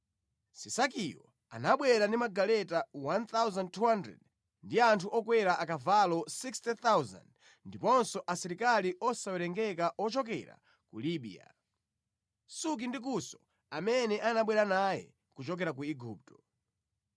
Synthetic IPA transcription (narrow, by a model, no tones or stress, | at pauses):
sisakijɔ | a̰naɓwɛɾandimaɡalɛtawant̪awzan̚tʰuhandɾɛ̰d | ndiantʰuʔɔkwɛɾaʔakavalɔsikstɛt̪awza̰nd | ndipɔnsɔʔasiɾikaliʔɔsawɛɾɛŋɡɛkaʔɔt͡ʃɔk̬ɛ̰ɾa̰ | kuliɓḭa̰ | suk̬indik̬usɔ̥ | amɛnɛʔanaɓwɛɾanajɛ̰ | kut͡ʃɔk̬ɛɾak̬uiɡuːp̚tɔ̥